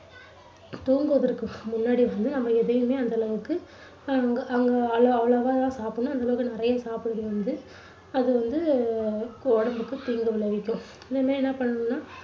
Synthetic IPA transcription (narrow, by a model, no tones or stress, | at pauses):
t̪uːŋɡɯʋɐðɪɾɯkːɯ̃mʊnːaːɽiʋɐnd̪ɯnɐmːɐɛðɐjɯmeːɐnd̪ɐlɐʋɯkːɯ | ŋɡɐːŋɡɐɐlɐɐʋɐɭɐʋaːt̪ãːsaːpɯnʊ̃ɐnd̪ɐlɐʋɯkːɯnɪɾɐjɐsaːpɪɽɯðɯʋɐnd̪ɯ | ɐðɯʋɐnd̪ɯ | koːɽɐmbɯkːɯt̪iːŋɡɐʋɪɭɐʋɪkʲːʊ̃ | ɪnd̪ɐmaːɾinːãːpɐɳːɐɳɯ̃nːaː